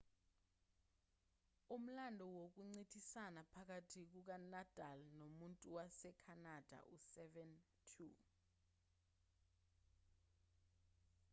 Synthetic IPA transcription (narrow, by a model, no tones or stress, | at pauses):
um̩landʱɔwok̬uŋ͡ǀitʰisanapʰak̬atʰik̬uk̬anad̥ʱʼalnomuntʼuwasɛkʰanad̥ʱa̰ʔusɛvɛn | tʰu